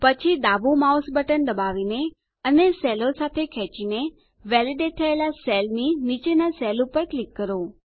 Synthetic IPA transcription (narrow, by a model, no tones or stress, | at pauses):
pət͡ʃʰid̪aʋumausbəʈənd̪əbaʋine | ənesɛlosat̪ʰekʰɛt͡ʃine | ʋɛliɖeʈ̚t̪ʰəelasɛlninit͡ʃenasɛlupəɾklikːəɾo